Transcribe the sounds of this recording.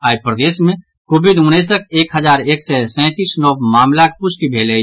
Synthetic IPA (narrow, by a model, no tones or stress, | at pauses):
aːipɾəd̪eːsmẽ | koːbid̪ʊneːsək̚eːkɦəzaːɾeːksɛsɛ̃ːt̪iːsnɔːwmaːmlak̚pʊsʈibʱeːle